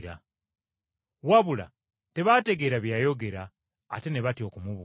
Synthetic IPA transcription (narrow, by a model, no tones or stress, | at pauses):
ɾa̰ | waβula̰ | te̞βate̞ɡe̞ɾaβjajo̞ɡe̞ɾa̰ː | te̞ne̞βatio̞kumuβu